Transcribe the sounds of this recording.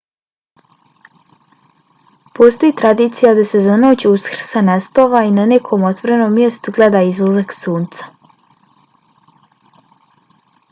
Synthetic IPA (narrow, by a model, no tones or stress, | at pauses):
post̪o̞jiːt̪ɾad̪iːt̪sijad̪asezanoot͡ɕuskr̩sanaspaʋainanekʰomot̪ʋoɾenoːmːje̞st̪uɡled̪aːizlˠazaksuːnt̪sḁ